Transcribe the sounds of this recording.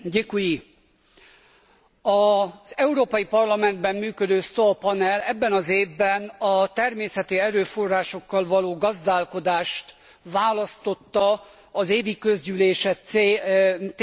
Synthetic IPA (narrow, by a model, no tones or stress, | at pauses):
ɟekuji | ɒzɛuɾoːpɒjipɒrlɒmɛnd̪bɛmmyːkød̪øːst̪opɒnɛlɛbːɛnɒzeːvbɛnɒt̪ɛrmeːsɛt̪iɛɾøːfo̞rːaːʃo̞kːɒlvɒloːɡɒzd̪aːlko̞d̪aːʃt̪ | vaːlɒst̪o̞t̪ːɒ | ɒzeːvikø̞zɟyleːʃɛt̪ː